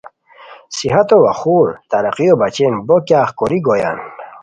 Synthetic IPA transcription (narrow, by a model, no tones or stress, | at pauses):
siɦat̪owaχuɾt̪aɾaqijobat͡ɕenbokʲaːχkoɾiɡoja̰n